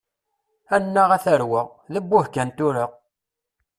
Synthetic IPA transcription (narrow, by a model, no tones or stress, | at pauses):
ænːəʁæθəɾwəʁ | ðəbːʊhkænt̪uɾəʁ